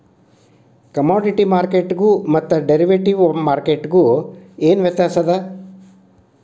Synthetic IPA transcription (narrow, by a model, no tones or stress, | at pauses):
kɐmaːɖiʈimaːɾkeʈɡumɐt̪ːɐɖeɾiʋeʈiʋmaːɾkeʈɡueːnʋjɐt̪jaːsɐd̪a